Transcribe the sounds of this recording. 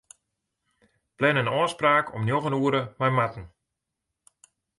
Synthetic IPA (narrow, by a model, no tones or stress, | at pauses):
plɛnənɔːspraːkʰɔ̰mnjoɣənuəɾəmajmatn̩